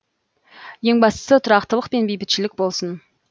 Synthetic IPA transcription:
je̞ŋbɑst̪ə̥sət̪ʰʊɾɑqt̪əlˠəq̚pe̞nbejbɪt̪ʃɪlɪk̚bo̞lˠsən

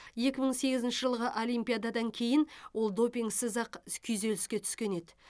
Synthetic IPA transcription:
je̞kʲɪməɴse̞ɡʲɪzɪnʃəʒəlˠʁəʔo̞lʲˠijmpʲijad̪ɑd̪ɑŋkʲʰe̞jɪnwʔo̞lˠd̪o̞pʲiŋɡsɪzɑqkʲʰʏjze̞lɪskʲe̞t̪ʰʏ̥skʲe̞ne̞d̪ɪ̥

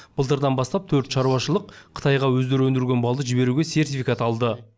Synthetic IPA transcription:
b̥əlˠt̪̬əɾd̪ɑnbɑst̪ɑp̚t̪ʰɵɾt̪ʃɑɾuɑʃəlˠəqʰə̥t̪ɑjʁɑwɵzd̪e̞ɾɵnd̪ɪɾɡʲe̞nbɑlˠd̪əʒɪbe̞ɾuɡʲese̞rt̪ifijkat̪ɑlˠd̪ə

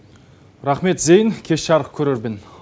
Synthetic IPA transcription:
ɾɑχme̞t̪zejɪŋkʲʰe̞ʃʃɑɾəq̚kʲʰɵɾeɾbɪn

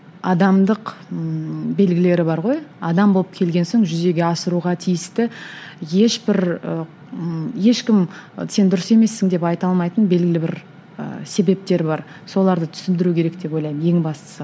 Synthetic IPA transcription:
ɑd̪ɑmd̪əq | be̞lɡʲɪle̞ɾɪbɑɾʁo̞jɑd̪ɑmbo̞lˠəp̚kʲʰe̞lɡʲe̞nso̞ŋʒʏze̞ɡʲe̞ɑsəɾuʁɑt̪ʰijɪst̪ɪje̞ʃbɪɾ | je̞ʃkʲɪmse̞nd̪ʊɾəse̞me̞sːɪŋd̪e̞pɑjt̪ɑlˠmɑjt̪ənbe̞lɡʲɪlʲɪbɪɾ | ə̰se̞be̞p̚t̪e̞ɾbɑɾ | so̞lˠɑɾd̪ət̪ʰʏ̥sɪmd̪ɪɾukʲʰe̞ɾe̞kd̪e̞po̞jlˠɑjmje̞ŋbɑst̪ə̥sə

